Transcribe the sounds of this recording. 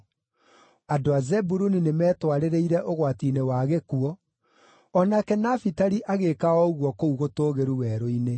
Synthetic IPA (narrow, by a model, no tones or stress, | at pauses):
adoazɛbuɾuninemɛːtwaɾeɾeiɾɛʔoɣwatinewaɣekuɔː | nakɛnafitaɾiʔaɣekaɔoɣwɔkouɣotoːɣeɾuwɛːɾoine